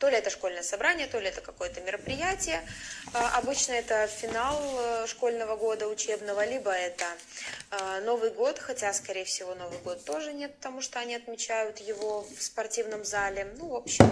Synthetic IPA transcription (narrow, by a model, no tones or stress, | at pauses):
t̪o̞lʲɪɛt̪əʂko̞lʲnəjəsɐbɾanʲɪjət̪o̞lʲɪɛt̪əkɐko̞jət̪əmʲɪɾəpɾʲɪjætʲɪjəʔɐbɨt͡ɕnəɛt̪əfʲɪnalˠʂko̞lʲnəvəɡo̞d̪əʊt͡ɕebn̪əvəlʲibəɛt̪ə | no̞vɨjɡo̞t̪xɐtʲaskɐɾʲejfsʲɪvo̞no̞vɨjɡo̞t̪ːo̞ʐɨnʲet̪̚pt̪ɐmuʂt̪oɐnʲiɐt̪mʲɪt͡ɕæjʊt̪jɪvo̞fspɐrtʲivnəmzalʲɪnuvopɕːɪm